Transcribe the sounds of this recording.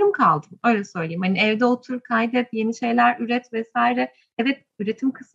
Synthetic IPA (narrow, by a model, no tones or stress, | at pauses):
ɾɯmkʰalˠd̪ɯmø̞jlʲɛsøjlˠijimhaniɛvd̪ɛot̪ʰuɾkʰajd̪ɛt̪je̞niʃe̞jlʲæɾyɾɛt̪vɛsaːiɾɛ | ɛvɛt̪̚ | yɾe̞t̪ʰimkʰɯs